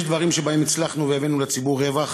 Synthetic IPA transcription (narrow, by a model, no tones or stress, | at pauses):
ʃd̪vaʁimʃebae̞mit͡slaχnuvejavenulet͡sibuʁevaχ